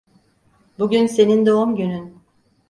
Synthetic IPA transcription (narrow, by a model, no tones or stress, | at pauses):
buɟynse̞nind̪oumɟynyn